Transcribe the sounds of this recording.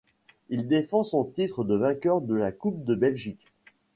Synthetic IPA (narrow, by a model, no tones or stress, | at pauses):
ild̪efɑ̃sɔ̃t̪it̪χəd̪əvɛ̃kʲœʁd̪əlakup̚d̪əbɛlʒik